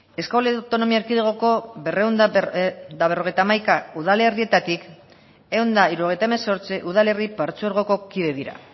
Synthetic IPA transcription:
e̞skolet̪o̞no̞miaeɾkiðeɣ̞o̞ko̞βe̞re̞wnd̪ | d̪aβero̞ɣejt̪amajkauð̞ale̞rie̞t̪at̪ik | e̞ond̪aiɾuɣe̞jt̪aemeso̞ɾt͡siʔuðale̞ripaɾt͡suoɾɣo̞ko̞kiðe̞ðiɾa̰

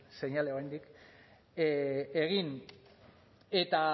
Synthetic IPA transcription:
se̞ɲaleoajnd̪ik | e̞ɣin | e̞t̪a

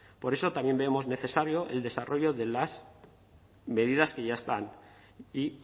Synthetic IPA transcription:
po̞ɾe̞so̞t̪amje̞mbemo̞zne̞θe̞saɾjo̞ʔḛld̪e̞saro̞ʝo̞ðe̞las | me̞ð̞ið̞askeʝaest̪an | i

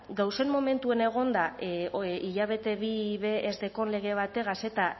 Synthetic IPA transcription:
ɡawse̞mːome̞nt̪uene̞ɣ̞o̞nd̪a | iʎaβe̞t̪e̞βiβe̞ːzðe̞ko̞nle̞ɣ̞e̞βat̪e̞ɣase̞t̪a

